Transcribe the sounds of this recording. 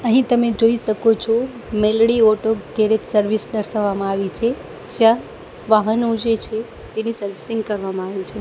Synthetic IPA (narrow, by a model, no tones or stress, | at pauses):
əɦĩt̪əmed͡ʒoiʃəkot͡ʃʰo | melɽiɔʈoɡeɾet̪səɾʋisd̪əɾʃaʋːamãaʋit͡ʃʰe | d͡ʒjã | ʋaɦənod͡ʒet͡ʃʰe | t̪enisəɾʋisiŋɡ̚kəɾʋamãaʋit͡ʃʰe